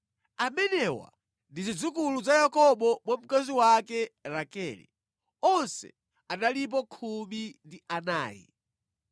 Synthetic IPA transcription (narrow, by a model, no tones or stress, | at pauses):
amɛnɛwa̰ | ndizid͡zukuluzajakɔɓɔmwam̩kaziwakɛɾakɛlɛ̰ | ɔnsɛ̰ | analip̬ɔkʰumindiʔana̰ːjḭ